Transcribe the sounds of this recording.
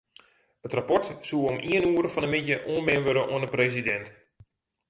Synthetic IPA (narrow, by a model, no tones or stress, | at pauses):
ətrapɔrtsuəomʔiənuəɾəfɔndəmɪtjəʔoənbɪnʋøɾəʔo̰əndəpresidɛnt